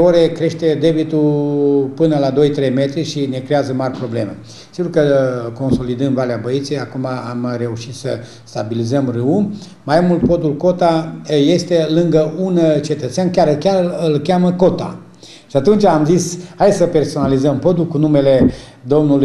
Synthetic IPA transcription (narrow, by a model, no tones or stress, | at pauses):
eoɾe̞kɾe̞ʃt̪e̞d̪e̞bit̪ulpɨnəlad̪o̞jt̪ɾe̞jme̞t̪ɾiʃine̞kɾeazəmarʲpɾo̞ble̞̰mḛ | siɡurkəko̞nso̞lid̪ɨnd̪valeabəit̪sʲejakumaamɾe̞uʃit̪sə̰ | st̪abilizəmrɨu | majmult̪̚po̞d̪ulko̞t̪aje̞st̪e̞lɨŋɡəʔunt͡ʃe̞t̪ət̪seankʲaɾɨkʲaɨlkʲaməko̞t̪a̰ | ʃiat̪unt͡ʃaːmzishajsəpe̞rso̞nalizəmpo̞d̪ulkunume̞le̞ | d̪o̞mnulu